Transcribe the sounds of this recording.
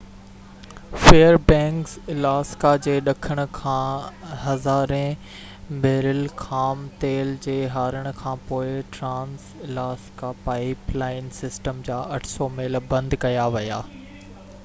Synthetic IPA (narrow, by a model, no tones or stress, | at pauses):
feːəɾbɛ̃ːŋkslaːskad͡ʑeːɗɐkʰəɽ̃ʊ̆kʰãːɦɐzaːɾẽ | meːɾɪlkʰaːmt̪eːld͡ʑeːɦaːɾəɽ̃ʊ̆kʰãːpoːɪʈɾãːnslaːskapaːɪplaːɪnsɪsʈəmd͡ʑaːʔɐʈʰsɔːmeːlbɐ̃nd̪kɐjaʋɐjaː